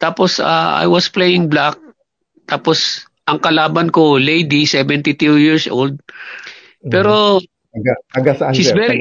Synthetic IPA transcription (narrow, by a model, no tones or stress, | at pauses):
t̪aːposa̰ʔa̰jwɐsplejɪŋblak̚ | t̪aːpos | ʔɐŋkɐlaːbɐnkolejd̪isɛvɛnt̪ɪt̪ujɪɹsʔold̪̚ | pɛːɾo̞ | ɡaɐɡasʃisvɛɾi